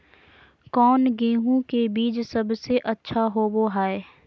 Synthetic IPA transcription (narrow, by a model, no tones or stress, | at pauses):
kɔːnɡeːɦũkebiːt͡ʃsɐbseʔɐtːʃʰaɦoːboɦaːe